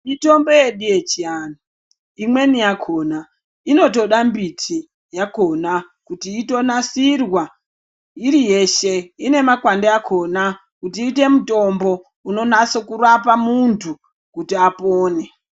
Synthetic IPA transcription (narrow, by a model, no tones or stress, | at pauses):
ito̞mbo̞je̞ɗijet͡ʃiana | imwe̞nijakʰo̞na | ino̞to̞ɗambitʰi | jako̞na | kutiːto̞nasirwa | iɾijeʃe̞ine̞makwandeakʰo̞na | kutiːte̞muto̞mbo̞ | uno̞naso̞kuɾapamuntʰu | kutiapoːne